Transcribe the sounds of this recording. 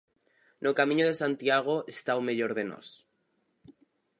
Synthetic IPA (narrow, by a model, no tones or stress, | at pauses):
nʔokamĩɲoð̞e̞sãnt̪jaɣ̞oest̪awmeʎoɾðeno̰s